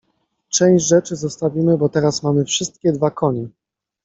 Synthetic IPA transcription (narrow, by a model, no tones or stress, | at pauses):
t͡ʂɛ̃w̃ɕd͡ʑʐɛt͡ʂɘzɔst̪avʲimɘbɔt̪ɛɾasmamɘfʂɘst̪kʲɛd̪vakʰɔɲɛ